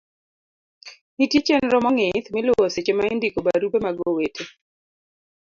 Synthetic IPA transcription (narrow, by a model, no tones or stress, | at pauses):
nitjet͡ʃenɾɔmɔŋɪt̪mɪlwoset͡ʃemaindikobaɾupemaɡowetʰe